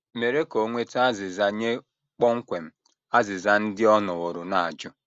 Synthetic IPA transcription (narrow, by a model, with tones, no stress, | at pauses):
me˨ɾe˦ko˨ŋʷe˦ta˦zɪ˨za˦ɲe˦ | k͡pɔ˦ŋ̩˦kʷe˨m̩˦ | a˦zɪ˨za˦n̩˦dɪ˦ɔ˦nɔ˨wo˨ɾʊ˨na˨a̰˨d͡ʒʊ˦